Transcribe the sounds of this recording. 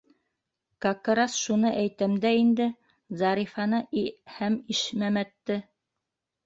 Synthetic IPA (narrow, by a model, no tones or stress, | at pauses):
kɑkɤɾɑsʃunɤʔæjt̪æmd̪æind̪ɘ | zɑɾifɑnɤʔihæmiʃmæmæt̪ːɘ